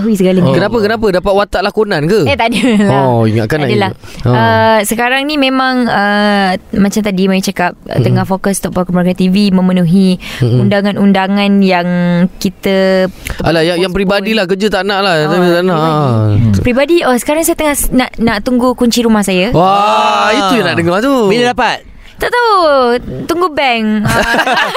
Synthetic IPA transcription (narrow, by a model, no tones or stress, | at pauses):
ɦuis̬əɡalaɲkənapəkənapədapat̪̚wat̪aʔlakonãnkəet̪adoḭŋa̰ʔkanaadəlaəsəkaɾaŋnĩmẽmãŋə | mãt͡ʃamt̪adimajit͡ʃakap̚t̪əŋahfokəst̪ɔʔpɔkɔmaɡat̪ivimə̃mənũɦiundaŋãnundaŋãnjaŋkit̪əalajaŋjaŋpɾibadilahkəd͡ʒət̪aʔnaʔlakəd͡ʒət̪aʔnaʔʔpɾibadiəsə̥kaɾaŋsajət̪əŋahnaʔnaʔt̪uŋɡukuɲt͡ʃiɾumahsajawaiujanaʔdəŋɔht̪ubiɲədapat̪̚ | t̪aʔt̪aut̪uŋɡubɛŋ